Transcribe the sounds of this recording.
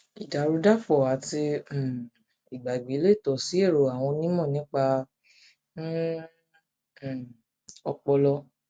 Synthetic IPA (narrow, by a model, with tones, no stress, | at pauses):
i˨da˨ɾu˨˧da˦fɔ˨a˨˦tĩ˧˨ | i˨ɡ͡ba˨i˨ɡ͡be˨˦le˦˨tɔ˨si˨˦e˦˨ɾo˨a˨w̃ɔ̃˧nĩ˦mɔ̃˦˨nĩ˨˦k͡pa˧˦˨ | ɔ˧k͡pɔ˧lɔ˧